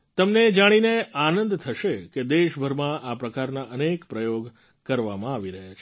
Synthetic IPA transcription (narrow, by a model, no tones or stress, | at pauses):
t̪əmned͡ʒaɽ̃ineanənd̪t̪ʰəʃeked̪eʃbʱəɾmãʔapɾəkaɾnaʔənekpɾəjoɡ | kəɾʋamãaʋiɾəɦjat͡ʃʰe